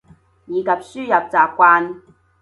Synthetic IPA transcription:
jiː˨˧kɐ˨p̚syː˥jɐ˨p̚t͡saː˨p̚kʷaː˧n

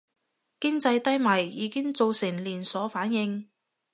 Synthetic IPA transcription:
kɪ˥ŋt͡sɐ˧jt̪ɐ˥jmɐ˨˩jːiː˨˧˥kɪ˥ŋt͡so˨˧wsɪ˨˩ŋliː˨˩nsɔː˨˥faː˨˥njɪ˧ŋ

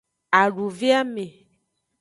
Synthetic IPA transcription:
a˨ɖu˨ve˦a˦me˨

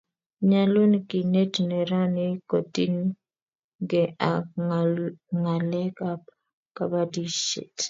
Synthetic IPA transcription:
ɲa˦lu˦nki˨ne˦tnɛ˨ɾa˦ni˦ko˨ti˦n | ɡɛ˨a˨ | ŋa˨lɛ˦ka˦p | ka˨ba˦di˦ʃḛ˨t

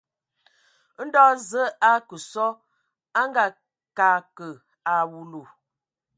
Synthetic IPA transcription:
n̩˦dɔ˦zə˦a˦kə˨sɔ˦ | a˦ŋɡa˨ | ka˨kə˨ | a˨wu˨lu˨

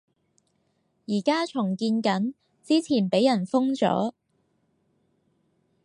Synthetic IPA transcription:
jiː˨˩kaː˥t͡ʃʰʊ˨˩ŋkiː˧nkɐ˨˥n | t͡siː˥t͡sʰiː˨˩npe˨˥jɐ˨˩nfʊ˥ŋt͡sɔ̰ː˨˥

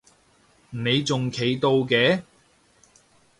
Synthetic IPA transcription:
ne˨˧jt͡sʊ˨ŋkʰe˨˥jt̪o˧wkɛː˨˥

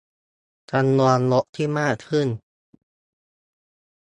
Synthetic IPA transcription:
t͡ɕa˧mːu˧nlo˦˥ʔt̪ʰiː˥˩maː˥˩k̚kʰɯ˥˩n

